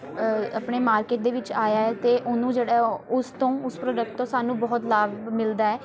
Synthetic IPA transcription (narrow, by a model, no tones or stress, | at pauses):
apɳeːmaːɾkeːʈ̚d̪eːʋɪt͡ʃaːjaːɛːt̪eːʔʊnũːd͡ʒeːɽaːʊst̪õːʊspɾoːd͡ʒək̚ʈ̚t̪õːsaːnũːbɔːt̪laːbmɪld̪aːɛː